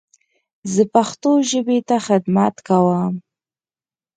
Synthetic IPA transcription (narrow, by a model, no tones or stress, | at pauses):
zəpaxt̪oʒəbet̪axɪd̪mat̪kawam